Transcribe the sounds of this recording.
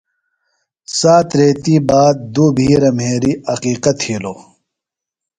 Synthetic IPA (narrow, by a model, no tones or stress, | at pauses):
saːt̪ɾeːt̪iːbaːd̪̚d̪uːbʱiːɾɐmɦeːɾiɐqiːqɐt̪hiːloː